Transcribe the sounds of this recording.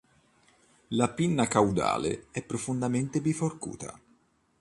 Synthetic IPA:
lapinːakawd̪a̰ːlḛɛpːɾofond̪ament̪ebiforkṵːt̪ʰa̰

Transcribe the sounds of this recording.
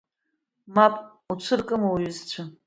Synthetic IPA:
mapʼ | ut͡sʷʰɨrkʼɨmwɥʏzt͡ɕʷʰa

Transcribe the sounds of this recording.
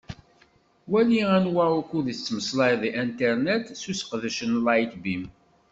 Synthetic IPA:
wæliænwaukuðit͡sːməslɑjðiʔænt̪ɛɾnæt̪susə̥qðəʃənlɑjt̪bim

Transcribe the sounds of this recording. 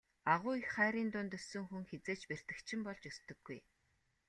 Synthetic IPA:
aʁʊːixχæːɾiːnt̪ʊnt̪ɵsɵ̆ŋxuŋxet͡seːt͡ɕper̥t̪ɘ̆kt͡ɕʰɪ̆mpɔɮt͡ɕɵst̪ɵ̆ɡ̥ːuj

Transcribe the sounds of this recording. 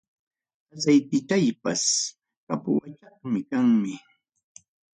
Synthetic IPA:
asajpɪt̪ajpas | kapʊwat͡ʃɑχmɪkaŋmɪ

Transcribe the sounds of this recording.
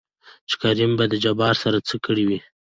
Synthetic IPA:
t͡ʃe̥kaɾimbad̪əd͡ʒabɑɾsaɾat͡səkəɽiwi

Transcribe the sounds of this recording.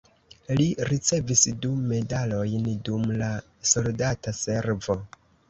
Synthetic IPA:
liɾit͡se̞visdume̞dalo̞jndumla | so̞ldatase̞ɾvo̞

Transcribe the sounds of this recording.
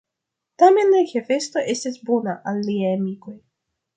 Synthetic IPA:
tame̞nlaxefe̞sto̞ʔe̞stisbonaʔalːiajamiko̞j

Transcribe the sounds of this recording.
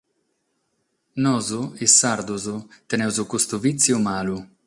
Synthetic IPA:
nɔzuɪsːaɾd̪uzut̪ɛnɛwzukust̪uvit̪sːjumaːlu

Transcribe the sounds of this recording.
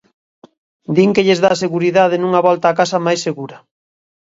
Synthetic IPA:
d̪iŋkeʎezðaːseɣuɾiðað̞enũŋaβɔlt̪aːkasɐmajsːeɣuɾɐ

